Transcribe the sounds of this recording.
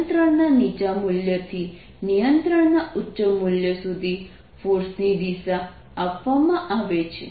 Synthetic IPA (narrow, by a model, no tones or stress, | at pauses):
nt̪ɾəɳnanid͡ʒamuljət̪ʰi | nijənt̪ɾəɳnautːʃəmuljəsud̪ʱi | fuɾsnid̪isaː | pʋamãʔaʋet͡ʃʰe